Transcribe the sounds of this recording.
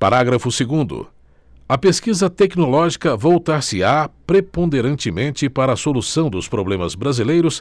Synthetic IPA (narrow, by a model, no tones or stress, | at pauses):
paɾaɡɾɐfʊseɡũnd̪ʊ̰ | ɐpeskizɐt̪ɛknolɔʒikɐvowt̪aɾsɪapɾepõd̪eɾɐ̃nt͡ʃɪmẽnt͡ʃɪpaɾɐːsolusɐ̃w̃d̪ʊspɾoblẽmɐzbɾazilejɾʊs